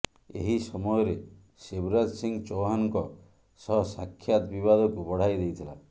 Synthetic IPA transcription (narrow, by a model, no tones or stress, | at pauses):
ḛɦisɔmɔjɔɾe | sebɾadsiŋɡt͡ʃowɦanŋkɔ | sɔɦsakʰːjat̪bibad̪ʱɔkubɔɽ̤ajd̪ejt̪ʰila